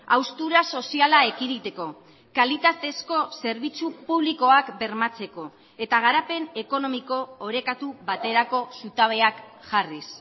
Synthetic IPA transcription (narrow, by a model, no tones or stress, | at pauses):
awst̪uɾaso̞sialae̞kiɾit̪e̞ko̞ | kalit̪at̪e̞sko̞se̞ɾβ̞it͡supuβliko̞akbe̞ɾmat͡se̞ko̞ | e̞t̪aɣ̞aɾape̞ne̞ko̞no̞miko̞ːɾe̞kat̪uβat̪e̞ɾako̞sut̪aβ̞e̞akʝaris